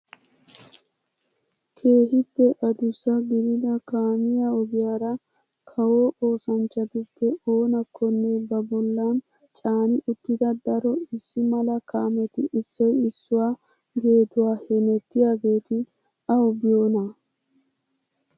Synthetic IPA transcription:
kʰe̞ːɦɪpːɛʔɐd̪ʊsːɐɡɪɾɪd̪ɐkaːmɪjaɔɡɪjaːɾɐ | kʰɐwoːʔo̞ːsɐnt͡ʃːɐd̪ʊpːɛo̞ːnɐkʰːɔnːebɐbɔlːɐn | t͡ʃʼaːnɪʔʊt̪ːɪd̪ɐd̪ɐɾɔɪsːɪmɐlɐkʰaːmɛt̪ɪʔɪsːɔjɪsːʊwaː | ɡe̞ːd̪ʊwaːhɛnɛt̪ːɪjaːɡe̞ːt̪ɪ | ɐwbɪjo̞ːnɐ

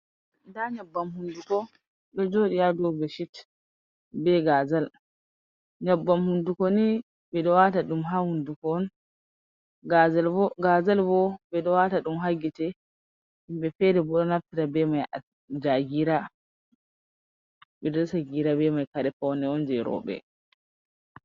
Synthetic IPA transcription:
ndaɲabːamhundukɔ | ɗɔd͡ʒoːɗijadɔbɛʃit | bɛɡazal | ɲabːamhundukɔni | bɛɗɔwataɗumɦahundukɔːn | ɡazalɔɡazalbɔbɛɗɔwataɗumɦaɡitɛ | imbɛfɛdɛbɔɗɔnaftiɾabɛmaj | d͡ʒaɡiɾa | bɛdɔɔsaɡiɾabɛmajkaɾɛfɔwnɛɔnd͡ʒɛɾɔ̰ɓɛ̰

